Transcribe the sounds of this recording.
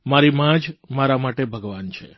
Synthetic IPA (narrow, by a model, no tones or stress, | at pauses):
maɾimãd͡ʒmaɾamaʈebʱəɡʋant͡ʃʰe